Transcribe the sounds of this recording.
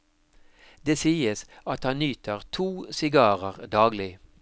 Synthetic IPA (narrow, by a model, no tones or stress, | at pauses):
d̪eːsiːəsɑt̪hɑnnyːt̪ʰəʁt̪ʰuːsɪɡɑːʁəʁd̪ɑːɡlɪ